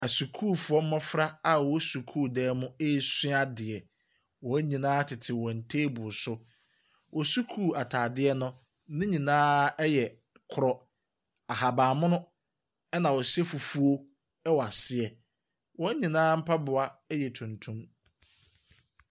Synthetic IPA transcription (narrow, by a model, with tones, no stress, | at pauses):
a˨su˨kʰuː˦˨fu˨ɔ˦m̩˦mã˦fɾa˦a˨wɔ˨˦su˨kʰuː˦˨dɛː˦mʊ̃˦e˦˨si˦a˦dɪ˨ɛ˨ | wɔ˨˦ɲĩ˨nãː˦tʰɪ˨tʰɪ˨wɔ̃˨n̩˨tʰeː˦bʊ˨sʊ˦ | wɔ˨su˦kʰuː˦˨a˨tʰaː˨dɪ˦ɛ˦nʊ̃˦ | nɪ̃˦ɲĩ˨nãː˦ɛ˦jɛ˨ | kʰʊ˨ɾɔ˦ | a˨ɦa˨baː˨mʊ̃˦nʊ̃˦ | ɛ˦nã˨wɔ˨sɛ˦fu˨fu˦o˦ | ɛ˦wɔ˨a˨sɪ˦ɛ˨ | wɔ˦ɲĩ˨nãː˦m̩˦pʰa˦bʊ˨a˦ɛ˦jɛ˨tʰũ˨ntʰũ˦m